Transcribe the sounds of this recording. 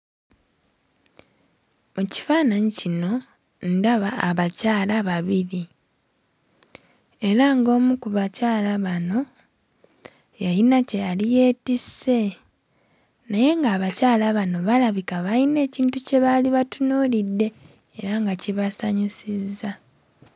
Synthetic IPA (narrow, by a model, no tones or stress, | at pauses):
muci̥faːnaɲicino̞ | ndaβaːβacaːlaβaβiɾi | e̞ɾaŋɡo̞ːmukuβacaːlaβano̞ | jajinace̞jalije̞ːtise̞ | naje̞ŋɡaːβacaːlaβano̞βalaβikaβajine̞ːciːntuce̞βaliβatunuːlidːe̞ː | ɾaŋɡaciβasaɲisizːa